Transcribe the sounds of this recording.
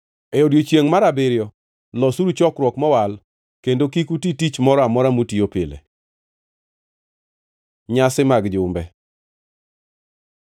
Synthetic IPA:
eodjot͡ʃjeŋmaɾabɪɾjɔ | lɔsuɾut͡ʃɔkɾwɔkmɔwal | kendokikutitit͡ʃmɔɾɔamɔɾamutiopɪlḛ | ɲasɪmaɡd͡ʒʊmbɛ

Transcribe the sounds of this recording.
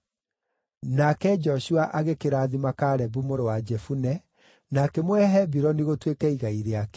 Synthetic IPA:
nakɛd͡ʒɔʃuaʔaɣekeɾaːðimakaɾɛbumoɾowad͡ʒɛfunɛ | nakɛmwɛɦɛbiɾɔniɣotwekɛiɣaiɾeak

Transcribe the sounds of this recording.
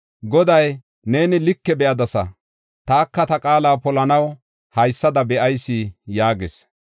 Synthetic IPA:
ɡɔd̪ɐj | ne̞ːnɪlɪkːɛbɛʔɐd̪ɐsɐ̰ | t̪aːkːɐt̪ɐkʼaːlaːpɔlɐnɐw | hɐjsːɐd̪ɐbɛʔɐjsːijaːɡɛs

